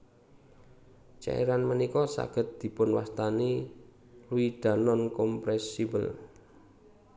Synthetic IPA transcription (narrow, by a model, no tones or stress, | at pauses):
t͡ʃa̰ḭɾanmənikɔsa̰ɡ̥ə̤t̪̚d̪̥i̤pʊnwa̰st̪ani | luid̪̥a̤nɔnkɔmpɾɛsibəl